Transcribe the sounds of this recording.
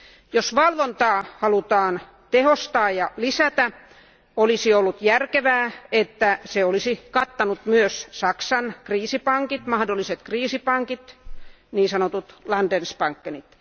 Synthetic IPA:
josʋɑlʋont̪ɑːhɑlut̪ɑːn | t̪ehost̪ɑːjjɑlisæt̪æ | olisiolːut̪jærkeʋæːet̪ːæseolisikɑt̪ːɑnut̪myøssɑksɑnkriːsipɑŋkit̪mɑhdolːˑiset̪kriːsipɑŋkit̪ | niːsɑnot̪ut̪lɑndenspɑŋkːenit̪

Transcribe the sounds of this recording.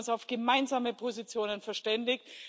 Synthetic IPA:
nsaʊfɡ̥əmaɪnzaːməpʰozit͡sjoːnənfɛɐʃtɛndɪçt

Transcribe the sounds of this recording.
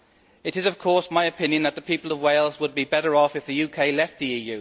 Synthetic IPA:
ɪɾɪzʌv̥kʰɔɹsmaɪɨpʰɪ̃njɨ̃nðəʔ̪̚ðəpʰiˑpəlˠəvweɪlˠzwəd̚bibɛɾə˞ɒfɨfðɨjʉkʰeɪlɛft̪̚ðiiːjʉː

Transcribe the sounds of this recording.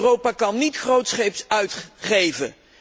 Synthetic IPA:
rowpaːkɑnːitχrowtsχejpsœɥtχejvə

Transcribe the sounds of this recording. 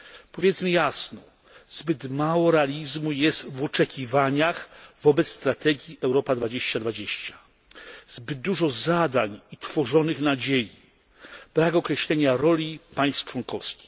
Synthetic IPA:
pɔvʲjɛt̪smɘjasnɔ | z̥bɘt̪mawɔɾɛalʲizmujɛst̪vɔt͡ʂɛkʲivaɲaxvɔbɛt̪sst̪ɾat̪ɛɡʲjiʔɛwɾɔpad̪vad͡ʑeɕt͡ɕad̪vad͡ʑeɕt͡ɕḁ | zbɘd̪̚d̪ːuʐɔzad̪aɲit̪fɔʐɔnɘxnad͡ʑeji | b̥ɾakɔkɾɛɕlɛɲaɾɔlʲipaj̃st̪ft͡ʂwɔŋkɔfskʲi̥x

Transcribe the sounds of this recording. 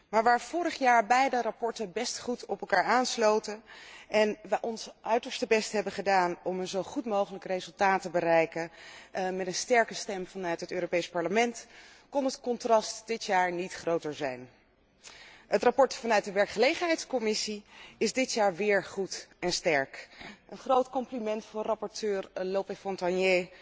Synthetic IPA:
maːɹʋaːɹv̥ʊːɾəχjaːɹbɛjdərapɔɹtəbɛstχutɔpɛlˠkaːɹaːnslowtəʔɛnʋəʔɔnsʔœɥtəɹstəbɛstɦɛbəχədaːnɔmənzowχutmowχələkrejzɵlˠtaːtəbərɛjkə | mɛtənstɛɹkəstɛmvɑnœɥtɦətøːɾopejspɑɹləmɛnt | kɔnɦətkɔntrɑstd̥ɪtjaːɹnitχrowtəɹzɛjn | ətrapɔɹtfɑnœɥt̚dəʋɛɹkχəlejχənɦɛjtskɔmɪsiɪzdɪtjaːɹʋɪːɹχutɛnstɛɹkʔənχrowtkɔmplimɛntfɑrɑpɔɹtʰøːɹlopefɔntɑnje

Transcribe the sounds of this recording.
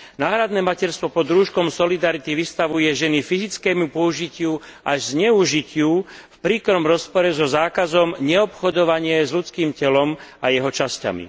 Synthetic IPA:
naːɦɾad̪nɛːmacɛɾst̪ʋɔpɔd̪ɾuːʃkɔmsɔlid̪aɾit̪iʋist̪aʋujɛʒɛnifizit͡skɛːmupɔuʒicɪuʔaʒzɲɛuʒicɪufpɾiːkɾɔmɾɔspɔɾɛzɔzaːkazɔmɲɛɔpxɔd̪ɔʋaɲɪɛzʎut͡skiːmcɛlɔmajɛɦɔt͡ʃasca̰mḭ

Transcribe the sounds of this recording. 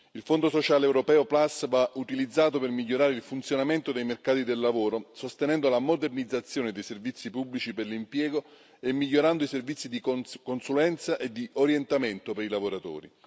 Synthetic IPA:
ilfond̪osot͡ʃaːleːwɾopɛːoplasvaut̪ilid̪zːaːt̪̬opermiʎːoɾaːɾeilfunt̪sjonament̪od̪ejmerkaːt̪id̪elːavoːɾosost̪enɛnd̪olamod̪ernid̪zat̪sːjoːned̪ejservit̪sːipubːlit͡ʃiperlimpjɛːɡo | emːiʎːoɾand̪oiservit̪sːid̪ikokonsulɛnt̪saʔed̪ːiʔoɾjent̪ament̪opeɾilavoɾat̪o̰ːɾḭ

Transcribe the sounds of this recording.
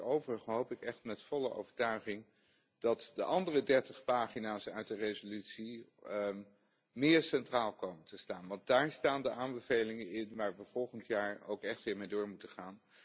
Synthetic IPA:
owvərəχənɦowpɪkɛχtmɛtfɔləʔo̰wvəɹtœɥχɪŋ | d̥ɑtdəʔɑndərədɛɹtəχpaːχinaːsœɥt̚dərejzolytsi | mɪːɹsɛntraːlˠkowməntəstaːnʋɑnt̚daːɹstaːndəʔaːmbəvejlɪŋənɪnʋaːɹʋəv̥ɔlˠχəntjaːɹo̰wkɛχtʋɪːɹmejdʊːɹmutəχaːn

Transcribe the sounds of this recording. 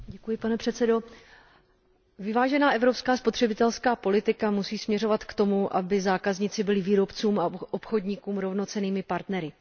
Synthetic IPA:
ɟɛkujɪpanɛpr̥ɛt̪sɛdo̞ | vɪvaːʒɛnaːʔɛvɾo̞pskaːspo̞t̪r̝̥ɛbɪt̪ɛlskaːpo̞lɪt̪ɪkamusiːsmɲɛro̞vat̪kt̪o̞muʔabɪzaːkazɲɪt͡sɪbɪlɪviːɾo̞pt͡suːmaʔopxo̞dɲɪkuːmɾo̞vno̞t͡sɛniːmɪpaɾt̪nɛɾɪ

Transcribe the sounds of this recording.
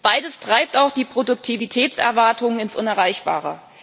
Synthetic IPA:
b̥aɪdəstʁ̥aɪp̚taʊxd̥iːpʁ̥odʊk̚tʰivitʰɛːt͡sɛ̰ɐvaɐtʰʊŋənɪnsʔʊnɛɐʁaɪçb̥a̰ːʁə̰

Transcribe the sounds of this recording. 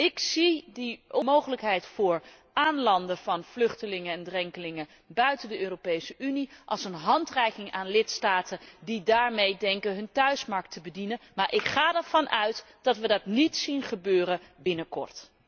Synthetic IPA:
ɪksidəʔɔmowχələkɦɛjtfʊːɹ | ʔaːnlɑndəv̥ɑnv̥lɵχtəlɪŋəɛndrɛŋkəlɪŋə | bœɥtəndəʔøːropejsəʔyniʔɑ̰lˠsənɦɑntrɛjkɪŋaːnlɪtstaːtəndidaːɹmejdɛŋkənɦɵntœɥsmɑɹk̚tʰəbədinənmaːɹʔɪkχaːdɛɹv̥ɑnʔœɥt | d̥ɑtʋədɑtnitsinχəbøːrəbɪnəkɔ̰ɹt

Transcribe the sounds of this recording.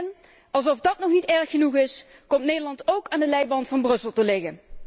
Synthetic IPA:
n | ɑlˠzɔfdɑtnɔχnitɛɹxənuχɪs | kɔmtneːjdəɹlɑntowkaːndəlɛjbɑntfɑnbrɵsəlˠtəlɪɣən

